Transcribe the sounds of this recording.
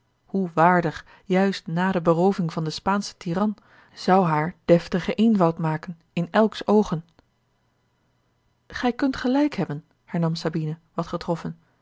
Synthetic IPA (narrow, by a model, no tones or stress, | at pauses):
huʋaːɹdəχ | jœɥstnaːdəbərowvɪŋvɑndəspaːnsə̥tiːrɑn | z̥ɑwɦaːɹd̥ɛftəχəʔejnvɑwtmaːkən | ɪnɛlˠksowχən | χɛjkɵntχəlɛjkɦɛbən | hɛɹnɑmsabinəʋɑtχətrɔfən